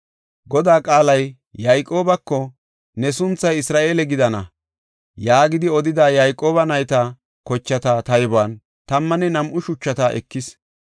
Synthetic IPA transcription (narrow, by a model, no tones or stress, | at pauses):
ɡɔd̪aːkʼaːlɐjː | ɐjkʼːo̞ːbɐkːɔ | nɛsʊnt͡sːɐjɪsɾaːʔe̞ːlɛɡɪd̪ɐnɐ̰ | jaːɡɪd̪ɪɔd̪ɪd̪aːjɐjkʼːo̞ːbɐnɐjt̪ɐ | kɔt͡ʃːɐt̪ɐt̪ɐjbaːn | t̪ɐmːɐnɛnɐmʔʊʃʊt͡ʃːɐt̪ɐʔɛ̰kːɪs